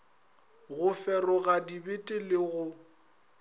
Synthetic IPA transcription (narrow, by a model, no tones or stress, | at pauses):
ɣʊfɛrɔɣadibɪtʼɪlɪɣʊ